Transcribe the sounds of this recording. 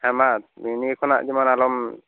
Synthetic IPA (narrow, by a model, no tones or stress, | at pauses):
hamaminikʰɔna̰ʔd͡ʒimanalɔm